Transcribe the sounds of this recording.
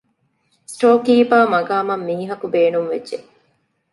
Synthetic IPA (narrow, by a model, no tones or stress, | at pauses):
sʈoːkiːpaːmɐɡaːmɐmːiːɦɐkubeːnumʋedʒe